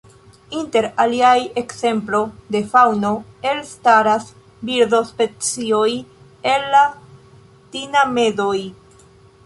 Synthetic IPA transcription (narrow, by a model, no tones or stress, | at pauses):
inte̞ɾaliaje̞kse̞mplo̞de̞fawno̞e̞lstaɾas | biɾdo̞spe̞t͡sio̞j | e̞lːa | tiname̞zo̞j